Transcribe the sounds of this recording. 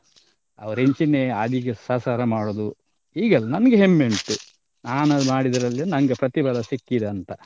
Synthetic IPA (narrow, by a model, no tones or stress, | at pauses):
ɐ̰ʋɐɾeɲt͡ʃineɐd̪iɡesɐːsaːɾɐmaːɽoːd̪u | iːɡɐlːɐnɐnɐɡeɦemːeɳʈu | naːnɐmaːɽid̪ɐɾɐlːenɐŋɡepɾɐt̪ibɐlɐsikːid̪eɐnt̪ɐ